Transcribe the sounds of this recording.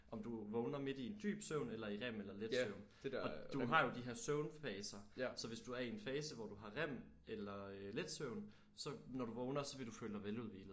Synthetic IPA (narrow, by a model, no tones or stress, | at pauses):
ʔɒ̽md̥uʋɔʊnɐme̝d̥ie̝nd̥y̰ːb̥søʊnelɐiʁem̰elɐledsøʊ̰n | ɒ̥̽uɦɑ̈jo̝d̥iɦeɐ̰søʊnfɛːsɐsɒ̽ʋe̝sd̥uæɐienfɛːsəʋɒd̥uɦɑ̈ʁem̰ | elɐøled̥søʊn | sɒ̽nɒd̥uʋɔ̽ːʊnɐsɒ̽ʋe̝d̥ufø̰ːld̥ɑ̈ɪʋeluð̰ˠʋḭːlð̩ˠ